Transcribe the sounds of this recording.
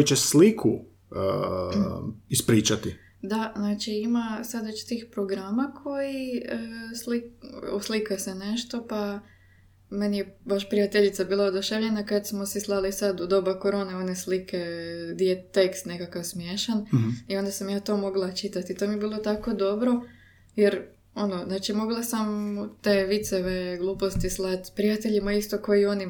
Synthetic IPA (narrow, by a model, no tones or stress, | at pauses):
kot͡ɕeslikʰṵ | ispɾiːt͡ʃat̪i | d̪aznaːt͡ʃiimasad̪ʋet͡ʃt̪iːxpɾoɡɾamakʰo̞jiəslioslikasene̞ʃt̪o̞pa | me̞nijebaʃpɾijat̪eʎit̪sabiːlˠaod̪uʃeʋʎe̞nakad̪smosislˠalisad̪ud̪o̞bako̞ɾo̞ːneoneslikʰe̞d̪iet̪ekst̪ne̞kakaʋsmjeːʃanio̞nd̪asamjaːt̪o̞ːmo̞ɡlˠat͡ʃit̪at̪it̪omijebiːlˠo̞t̪ako̞d̪o̞bɾo̞ | jeɾ | o̞noznaːt͡ʃimo̞ɡlˠasamt̪e̞ːʋit̪seʋe̞ɡlˠuːpo̞st̪islˠat̪pɾijat̪eʎimaist̪o̞ko̞jio̞ni